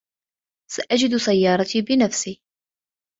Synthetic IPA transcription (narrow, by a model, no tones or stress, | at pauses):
saʔæd͡ʒɪd̪sæjːɑːɾˤɑt̪iːbɪnæfsiː